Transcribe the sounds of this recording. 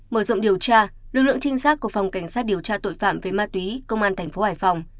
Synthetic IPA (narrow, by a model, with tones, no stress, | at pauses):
məː˧˩zɔ̰˧˨wŋ͡mɗi˨˩əwt͡ɕaː˧ | lɨ˨˩k̚lɨ̰˧˨ə˨ŋt͡ɕï˧ŋ̟saː˦˥t̚ku˧˩əfa˨˩wŋ͡mka˧˩jŋ̟saː˦˥t̚ɗi˨˩əwt͡ɕaː˧t̪o̰˧˨jfa̰ː˧˨mve˨˩maː˧t̪wi˨˦kə˧wŋ͡mʔaː˧nt̪ʰɛ˨˩ŋ̟fo˨˦haː˧˩jfa˨˩wŋ͡m